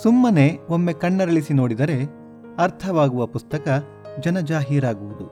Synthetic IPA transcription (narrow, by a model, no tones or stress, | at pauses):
sumːɐne̞omːe̞kɐɳːɐɾɐɭisino̞ːɽid̪ɐɾe̞ | ɐɾt̪ʰɐʋaːɡuʋɐpust̪ɐkɐ | d͡ʒɐnɐd͡ʒaːɦijɾaːɡuʋud̪u